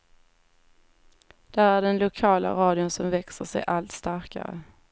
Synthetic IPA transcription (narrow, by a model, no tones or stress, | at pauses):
d̪̥æːɾæɖɛnlʊkʰɑːla̰ɾɑːd̪ɪʊnsɔmvɛksəʂɛjʔalt̪st̪aɾka̰ɾə̰